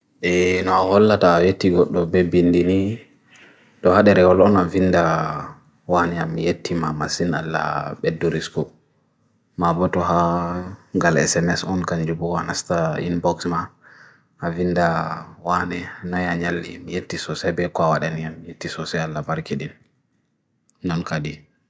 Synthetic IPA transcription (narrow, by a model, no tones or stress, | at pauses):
ʔɛnɔahɔlːataːjetːiɡɔɗːɔbɛbindini | tɔhaɗɛɾɛwɔlɔnavinda | wanɛamːijetːimamasina̰lːa̰bɛdːuɾiskɔ | mabɔtɔɦa | ɡalɛ̰sɛmɛsɔnkaɲd͡ʒubɔwanastaḭnbɔksma | avindawanɛanajaɲalːḭmijetːisɔsɛbɛkwawaɗanijamːijetːisɔsɛalːabaɾkiɗin | ɔnkadi